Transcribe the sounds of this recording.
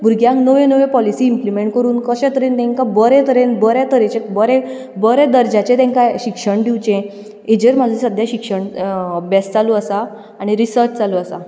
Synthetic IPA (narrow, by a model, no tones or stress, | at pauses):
bʱuɾɡjãŋknəʋẽnəʋẽpɔlisiːmplimeɳʈ̚kəɾuːnkəɕɛ̃t̪əɾent̪ɛ̃ŋkabəɾẽt̪əɾenbəɾet̪əɾẽt͡ɕẽbəɾe | bəɾɛ̃d̪əɾd͡ʑat͡ɕẽt̪ɛ̃ŋkaɕikʂəɳɖ̪iʋt͡ɕẽ | ed͡ʑəɾm̤ad͡zʱisəd̪ʱjaɕikʂəɳəbjast͡saluəsaː | ɽ̃iɾisəɾt͡ɕt͡sd͡zaluəsa